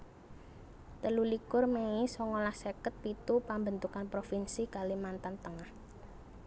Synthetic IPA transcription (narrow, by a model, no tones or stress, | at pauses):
t̪əlulikʊrmeisɔŋɔlahsekət̪̚pit̪upambənt̪ukanpɾofinsikalimant̪ant̪əŋah